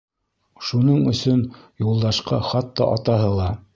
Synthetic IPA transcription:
ʃunɤɴɵ̆sɵnjulˠd̪ɑʃqɑ̰χɑt̪ːɑ̰ʔɑt̪ɑɦɤlˠɑ

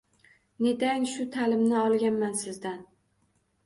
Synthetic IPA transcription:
ne̞t̪anʃʊt̪ʰalɪmnɪɒlˠɡʲanmansɪzd̪an

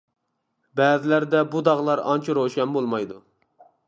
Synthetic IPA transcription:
bɛːzɪlæɾd̪ɛbud̪ɑʁlˠɑɾɑ̰nt͡ʃʰiɾoʃɛmbolˠmɑjd̪u

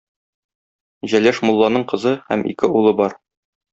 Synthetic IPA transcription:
ʑælæʃmulˠːɑnɤɴqɤ̆zɤhæ̰mʔḭkɘulˠɤbɒɾ

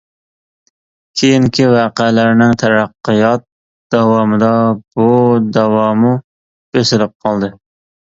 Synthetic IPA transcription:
kʲʰejiŋkʲʰivɑːqælæɾnɪŋt̪ʰæɾæqːɨjɑt̪̚ | d̪̥ɑwɑːmɨd̪ɑbud̪æwɑːmu | b̥esɪlɪp̚qʰɑlˠd̪ɨ

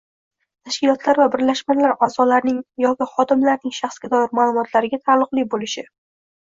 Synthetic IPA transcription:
t̪ʰaʃkʲɪlˠɒt̪ʰlaɾvabɪɾlaʃmalaɾazɒlaɾnɪŋjɒkʲɪχɒd̪ɪmlaɾnɪŋʃaχsɡʲad̪ɒjɪɾmaːlˠʊmɒt̪ʰlaɾɪɡʲat̪ʰalˠːʊqlˠɪbolɪʃɪ

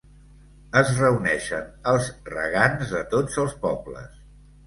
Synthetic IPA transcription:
əzrəunɛʃənəlˠzrə̰ɣanzðət̪od͡zəlˠspɔblə̰s

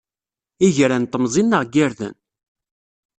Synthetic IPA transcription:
iʝɾænt̪ˤːəmzˤinːəʁɡiɾðə̰n

